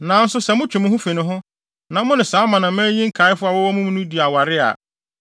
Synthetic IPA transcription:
nã˨n̩˦sʊ˦sɛ˨mʊ̃˦t͡ɕᶣʊ̃˨mɪ̃˦hʊ̃˦fi˨nɪ̃˨ɦʊ̃˦ | nã˨mʊ̃˦nɪ̃˨saː˨˦mã˨nã˨mæ̃˦ɲĩ˦ŋ̩˦kʰa˨˦ɪ˦fʊ˦a˨wɔ˦wɔ˦mʊ̃˦m̃˦nʊ̃˦di˨a˨wa˨ɾɪ˦a̰˨

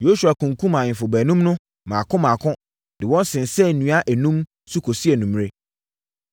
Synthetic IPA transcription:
jo˦su˨a˨kũ˨ŋ˨kũ˦mã˨ɪ̃˨fʊ˨bæ˨nũ˦mnʊ̃˦ | mã˨kʰʊ̃˦mãː˨kʰʊ̃˦ | dɪ˨wɔ̃˦n˦sɪ̃˨n˨sɛ˦˨nũ˨˦a˦ʔæ˨nũ˦m | su˦kʰo˨si˦ɛ˨nũ˨m˦ɾe˦

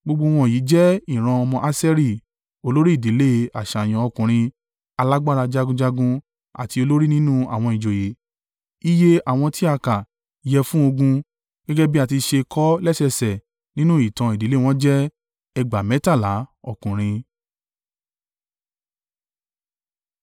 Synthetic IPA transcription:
ɡ͡bo˧ɡ͡bo˧w̃ɔ̃˧˨ji˨˦d͡ʒɛ˦i˦˨ɾ̃ã˧ɔ˧mɔ̃˧ʔa˦sɛ˦ɾi˦˨ | o˧lo˦ɾi˦i˦˨di˨˦le˦a˨ʃa˨j̃ɔ̃˨˧ɔ˧kũ˨ɾ̃ĩ˧ | a˧la˦ɡ͡ba˦˨ɾa˧d͡ʒa˧ɡũ˧d͡ʒa˧ɡũ˧ | a̰˨ti˧o˧lo˦ɾi˦nĩ˦nũ˦a̰˨w̃ɔ̃˧i˨d͡ʒo˨je˨˦ | i˦je˦a˨w̃ɔ̃˧ti˦a˧ka˨ | jɛ˧fũ˦o˧ɡũ˧ | ɡ̥ɛ˦ɡɛ˦bi˦a˦˨ti˧ʃe˧kʰɔ˦lɛ˦sɛ˧˨sɛ˨ | nĩ˦nũ˦i˦˨tã˧i˨di˨˦le˦˨w̃ɔ̃˦d͡ʒɛ˦ | ɛ˧ɡ͡ba˨mɛ̃˨˦ta˦˨la˨˦ɔ˧˨kũ˨ɾ̃ĩ˧

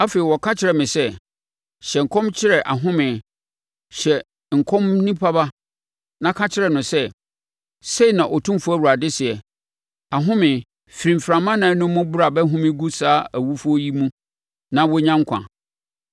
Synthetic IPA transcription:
a˦fe˨i˨wɔ˨kʰa˦t͡ɕʰɪ˨˦ɾɛ˨mɪ̃˨sɛ˦ | ɕɛ˨ŋ̩˨kʰɔ̃˦mt͡ɕʰɪ˦ɾɛ˨ʔa˨ɦʊ̃˦mɪ̃˨ | ɕɛ˨ | ŋ̩˨kʰɔ̃˦mnĩ˦pʰa˦ba˦ | nã˦kʰa˦t͡ɕʰɪ˦ɾɛ˨nʊ̃˨sɛ˦ | se˦i˨nã˨ʔɔ˨tʰũ˦m˦fʊ˦æ˦wu˨a˨dɪ˦sɪ˨ɛ˨ | a˨ɦʊ̃˦mɪ̃˨ | fi˨ɾĩ˨m˨fɾã˨mã˦nã˨˦nʊ̃ː˦ʊ̃˦bʊ˦ɾa˨bɛ˦ɦʊ̃˦mɪ̃˦ɡu˦saː˦æ˨wu˦fʊ˦ɔ˦ji˦mũ˦ | nã˦wɔ˦ɲã˦ŋ̩˦kʰʷã̰˨

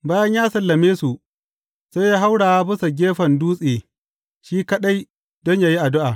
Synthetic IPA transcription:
baː˦jɐ˦ɲjaː˦sɐ˨lːɐ˨meː˦su˨ | sa˦jaː˦ɦa˦wɽaː˨ja˦bɪ˦sa˨ɡʲeː˦ɸɐ˨nduː˦sʼeː˨ | ʃiː˦kɐ˦ɗa˦j | dɔ˦ɲjaː˦ji˦ʔa˨dʊ˦ʔaː˨

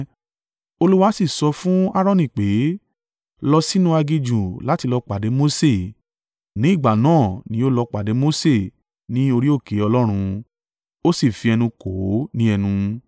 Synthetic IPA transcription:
o˧lu˦wa˦si˦˨sɔ˧fũ˦a˦ɾ̃ɔ̃˦˨nĩ˨k͡pe˨˦ | lɔ˧si˦nũ˦a˧ɡi˧d͡ʒũ˨la˨˦ti˧lɔ˧k͡pa˨de˨˦mo˦se˦˨ | nĩ˨˦i˦˨ɡ͡ba˨nãː˦˨nĩ˨˦o˦lɔ˧k͡pa˨de˨˦mo˦se˦˨ | nĩ˦o˧ɾi˦o˦˨ke˨˦ɔ˧lɔ˦ɾ̃ũ˧ | o˦si˦˨fi˧ɛ˧nũ˧ko˨˦nĩ˦ɛ˧nũ˧

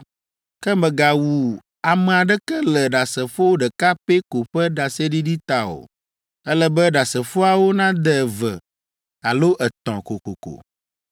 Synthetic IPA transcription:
kɛ˦mɛ̃˨ɡa˨wu˨ | a˨mɛ̃˨a˨ɖɛ˦kɛ˦lɛ˨ɖa˨sɛ˨fo˦wo˦ɖɛ˨ka˦pe˦ko˨ɸɛ˦ɖa˨se˦ɖi˦ɖi˦t̪a˨o̰˨ | ɛ˦lɛ˦bɛ˦ɖa˨sɛ˨fo˦a˨wo˦nã˦d̪ɛ˨və̰˨ | a˨lo˦ʔɛ˨t̪ɔ̰̃˨ko˨ko̰˨ko̰˨

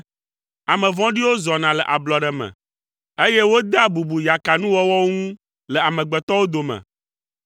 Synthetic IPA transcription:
a˨mɛ̃˨vɔ̃˦ɖi˦wo˦zɔ˨nã˨lɛ˨ʔa˨blɔ˨ɖɛ˨mɛ̰̃˨ | e˦je˦wo˦d̪a˦bu˨bu˨ja˨ka˨nũ˦wɔ˦wɔ˦wo˦ŋũ˦ | lɛ˨a˨mɛ̃˨ɡ͡bɛ˨t̪ɔ˦wo˦d̪o˨mɛ̰̃˨

